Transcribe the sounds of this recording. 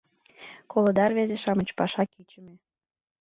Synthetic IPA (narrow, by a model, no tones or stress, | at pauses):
kolod̪ɑrβezeʃɑmət͡ɕpɑʃɑkit͡ɕəmĕ